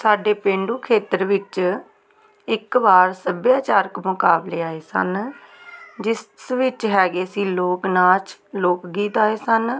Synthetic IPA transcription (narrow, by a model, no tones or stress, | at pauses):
saːɖeːpẽːɳɖuːkʰeːt̪əɾʋɪt͡ʃ | ɪkʋaːɾsəbjaːt͡ʃaːɾəkmʊkaːbleːaːeːsə̰n | d͡ʒɪssʋɪt͡ʃɦɛːɡeːsiːloːknaːt͡ʃloːkɡiːt̪aːeːsən